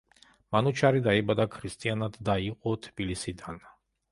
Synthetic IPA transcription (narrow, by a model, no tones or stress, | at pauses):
manut͡ʃʰaɾid̪aibad̪akʰɾist̪ʼianad̪ːaiqʼɔt̪ʰbilisid̪an